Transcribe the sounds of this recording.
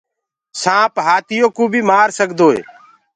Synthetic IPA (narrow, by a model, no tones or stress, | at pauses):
sãːpɦaːt̪ɪjoːkuːbʱiːmaːɾsəkd̪oːḛː